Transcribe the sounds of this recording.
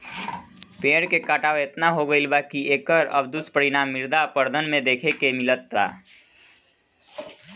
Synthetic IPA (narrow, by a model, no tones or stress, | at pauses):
peɽkekaʈawet̪naɦoɡəɪlbakiekəɾə̰bd̪uspəɾinamːiɾd̪apəɾd̪ʱənmed̪ekʰekemilət̪ːa̰